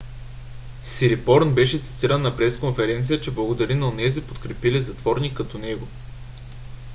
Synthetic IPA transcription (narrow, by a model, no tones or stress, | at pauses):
siɾipɔɾnbɛʃɛt̪si̥t̪iɾənːɐpɾɛskonfɛɾɛnt̪sijət͡ʃɛblˠɐɡod̪ɐɾinɐonɛzipot̪kɾɛpilizɐt̪vɔɾnikːɐt̪ɔnɛɡo